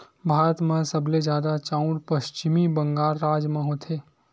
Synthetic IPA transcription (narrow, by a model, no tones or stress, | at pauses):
bʱaːɾət̪mẽsɐbled͡ʒjaːd̪at͡ʃaʊ̃ɾpəʃt͡ʃɪmibɐ̃ŋɡaːɾːaːd͡ʒmãɦot̪ʰeː